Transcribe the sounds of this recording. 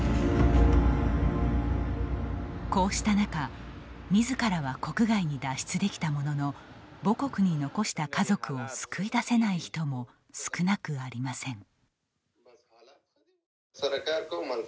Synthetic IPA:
ko̞ːɕi̥t̪anakamʲizɨkaɾaβako̞kɯ̟ɡaiɲ̟id̪aɕi̥t͡sɨd̪e̞kʲi̥t̪amo̞no̞no̞bo̞ko̞kɯ̟ɲ̟ino̞ko̞ɕi̥t̪akazo̞kɯ̟o̞sɨ̥kʰɯ̟id̪ase̞naiçi̥t̪o̞mo̞ | sɨ̥kɯ̟nakɯ̟aɾʲimasẽ̞ŋ | ɾkaɾko

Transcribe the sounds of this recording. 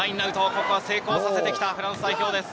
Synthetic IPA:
aĩnːaɯ̟t̪oːkokɯ̟βase̞ːko̞ːsase̞t̪e̞kʲi̥t̪aɸɯ̟ɾãɰ̃sɨd̪aiçʲo̞ːd̪es

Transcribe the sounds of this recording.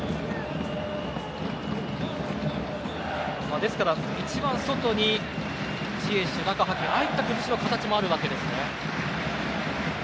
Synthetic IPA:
maːd̪e̞sɨ̥kaɾa | it͡ɕibãɰ̃so̞t̪o̞ɲ̟i | t͡ɕie̞ɕi̥t̪ed̪akaɦakʲeait̪ːakɯ̟mɯɕiɾokat̪at͡ɕimo̞aɾɯ̟βake̞d̪e̞sɨne̞

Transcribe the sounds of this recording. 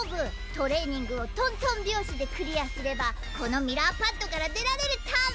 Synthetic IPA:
bɯ̟ | t̪o̞ɾe̞ːɲ̟ĩŋɡɯ̟o̞t̪õ̞nt̪õ̞mbʲjo̞ːɕid̪e̞kɯ̟ɾʲiasɨɾe̞ba | ko̞no̞mʲiɾapãnt̪ːo̞kaɾad̪e̞ɾaɾe̞ɾɯ̟t̪a

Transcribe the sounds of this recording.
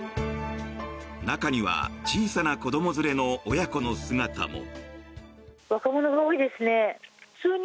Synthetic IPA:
nakaɲ̟iβa̰t͡ɕiːsanako̞d̪o̞mo̞zɨɾe̞no̞ːjako̞no̞sɨɡat̪a̰mo̰ | βakamo̞noɡaoːid̪e̞sɨne̞̥t͡sɨːɲ

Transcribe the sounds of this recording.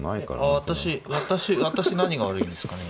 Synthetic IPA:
na̰ika̰aβat̪aɕiβat̪aɕiβat̪aɕinaɲ̟iɡaβaɾɯ̟ĩnd̪e̞sɨ̥kane̞

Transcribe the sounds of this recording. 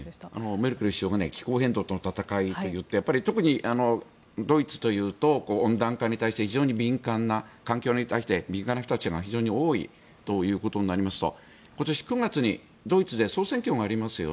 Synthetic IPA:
a̰nomeɾɯ̟kɯɾɯɕioːɡane̞̰kʲi̥ko̞ːɦẽ̞nd̪o̞ːt̪onot̪at̪akait̪o̞jɯ̟t̪ːe̞japːaɾʲit̪o̞kɯ̟ɲ̟iʔano̞ | d̪o̞it͡sɨ̥t̪o̞jɯ̟ːt̪o̞kõ̞ːnd̪ãŋkaɲ̟it̪aiɕi̥t̪eçiʑo̞ːɲ̟ibʲĩŋkãnːakãŋkʲo̞ːɲ̟it̪aiɕi̥t̪e̞bʲĩŋkanːaɸɯ̥t̪at͡ɕiaɡaçiʑo̞ːɲ̟io̞ːḭ | t̪o̞jɯ̟ːko̞t̪o̞ɲ̟inaɾʲimasɨ̥t̪o̞̰ | ko̞t̪o̞ɕi̥kɯ̟ŋɡat͡sɨɲ̟i | d̪o̞it͡sɨd̪e̞so̞ːsẽ̞ŋkʲo̞ːɡaːɾʲimasɨjo̰

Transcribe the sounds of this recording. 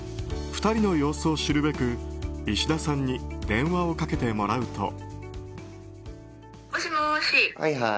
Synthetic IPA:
ɸɯ̥t̪aɾʲino̞jo̞ːsɨoɕiɾɯ̟be̞kɯ̟iɕid̪asãɲ̟ːid̪ẽ̞ɰ̃βao̞kake̞t̪e̞mo̞ɾaɯ̟t̪o̞̰ | oɕimoɕia̰a

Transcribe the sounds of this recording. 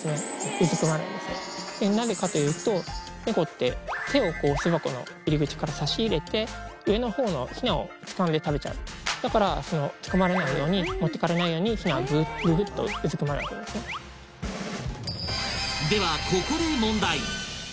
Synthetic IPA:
sɨne̞ɯ̟zɨkɯ̟maɾɯ̰̃nd̪e̞sɨnḛd̪̥e̞naze̞kat̪o̞jɯ̟ːt̪o̞ | neɡo̞t̪ːe̞̰t̪e̞o̞ko̞ːsɨβako̞no̞̰ | iɾʲiɡɯ̟t͡ɕi̥kaɾasaɕiːɾe̞t̪e̞ɯ̟e̞no̞ho̞ːno̞̰çinao̞̰t͡sɨ̥kãnd̪e̞t̪abe̞t͡ɕa̰ɯ̟d̪̥akaɾaso̞no̞t͡sɨ̥kamaɾe̞naijo̞ːɲ̟imo̞t̪ːe̞kaɾe̞naijo̞ːɲ̟içinaazɨːt̪zɨt̪ːo̞̰ɯ̟zɨkɯ̟maɾḛakḛnesɨne̞ | d̪e̞βakʰokoɾɯmõ̞nd̪ai

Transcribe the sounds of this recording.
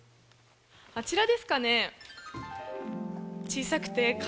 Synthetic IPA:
at͡ɕiɾad̪e̞sɨ̥kane̞ | t͡ɕiːsakɯ̟̥t̪e̞k

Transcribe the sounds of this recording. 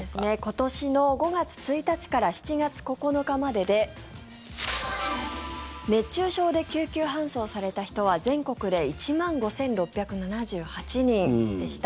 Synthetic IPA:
esne̞ko̞t̪o̞ɕino̞ɡo̞ɡat͡sɨ̥t͡sɨit̪at͡ɕi̥kaɾaçi̥t͡ɕiɡat͡sɨ̥ko̞ko̞no̞kamad̪e̞d̪e̞ | ne̞tɕɨːɕo̞ːd̪e̞kʲɨːkʲɨːɦãɰ̃so̞ːsaɾe̞t̪açi̥t̪o̞β̞azẽ̞ŋko̞kɯ̟d̪e̞it͡ɕimãŋɡo̞sẽ̞nɾo̞pʲːjakɯ̟nanaʑɨːhat͡ɕiɲ̟ĩnd̪e̞ɕi̥t̪a

